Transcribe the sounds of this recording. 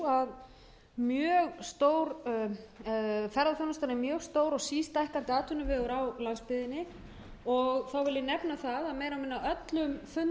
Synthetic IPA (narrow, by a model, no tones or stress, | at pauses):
að | mjœːɣst̪owɾ | fɛɾðafɔnast̪aɾnɪmjœːɣst̪oːwɾɔɣsiːst̪ajhkant̪ɪaːt̪ʰʏnʏvɛːɣʏɾawlanspɪðɪnːɪ | ɔɣθawvɪljɪnɛpnaθaðaðmeːjɾamɪnːaœt̪lʏmfʏn